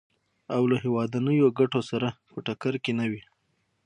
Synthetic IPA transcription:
awlaɦewɑd̪anəjoɡaʈosaɾapəʈakaɾkenawi

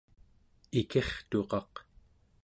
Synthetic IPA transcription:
ikʰe̞χt̪o̞qɑq

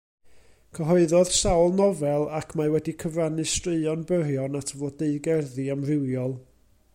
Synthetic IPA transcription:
kʰəɦɔɨðɔð̥sawlˠnɔvɛlˠakʰmawɛdikʰəvranɨstrɨɨɔnbərjɔnatʰəvoːdeɨɡɛrðiamrɪwjɔlˠ

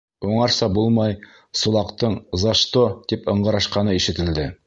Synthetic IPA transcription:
uɴɑɾsɑbulˠmɑj | sulˠɑqt̪ɤɴzɑʃt̪ot̪ipɤ̆ɴɢɑ̆ɾɑʃqɑnɤiʃɘ̆t̪ɘ̆ld̪ɘ

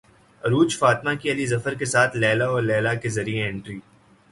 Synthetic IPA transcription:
ɾuːt͡ʃfaːt̪makiɐlizɐfəɾkesaːt̪ʰlɛːlaɔːɾlɛːlakezɐɾieɪ̃ɳʈɾiː

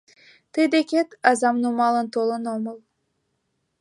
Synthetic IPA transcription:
t̪ɨjd̪ekʲet̪ɑzɑmnumɑlˠə̆nt̪olˠɤnoməlˠ

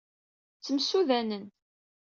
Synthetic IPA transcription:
t͡sːəmsuðænən

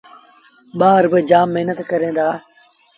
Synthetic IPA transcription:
ɓaːɾbəd͡ʒaːmːəɦnət̪kəɾẽːd̪aː

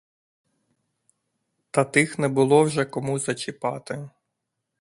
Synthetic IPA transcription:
t̪ɐt̪ɪxnɛbʊlˠɔwʒɛkɔmuzɐt͡ʃɪpɑt̪ɪ

